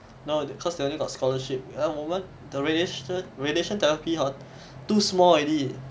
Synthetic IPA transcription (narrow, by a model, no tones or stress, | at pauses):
nokʰɔsdeõnliɡɔtskɔləʃip̚əmõmə̃n | dəɹedeəɹedeʃə̃ntɛɹapiɦa | tusmɔlɹedi